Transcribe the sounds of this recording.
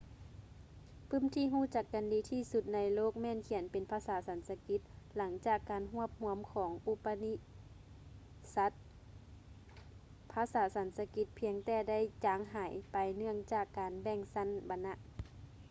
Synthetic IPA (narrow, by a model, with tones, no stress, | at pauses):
pʰɯ˧˥˨mt̪ʰiː˧˨ɦuː˧˥˩t͡ɕa˧˩kːa˨ndiː˨˧˦t̪ʰiː˧˩su˧t̪̚na˧˥jloː˥˩k̚mɛː˧˥˨nkʰi˨˩˦npe˨npʰaː˧˥saː˨˩˦sa˨˦nsa˧ki˧˦t̪̚la˨˦ŋt͡ɕaː˨˩kːaː˨nɦu˧˥˩əp̚hu˧əmkʰɔː˩˦ŋʔu˧pa˧ni˧˥ | sa˧˦t̪̚ | pʰaː˧˥saː˩˦sa˨˦nsa˧ki˧˦t̪̚pʰi˧əŋt̪ɛː˧˩da˥˨jt͡ɕaː˨˧˦ŋɦaː˩˦jpa˨jnɯ˧˩əŋt͡ɕaː˧˨˩kːaː˨nbɛ˧˩ŋsa˧˥˨nba˧nːa˧ʔ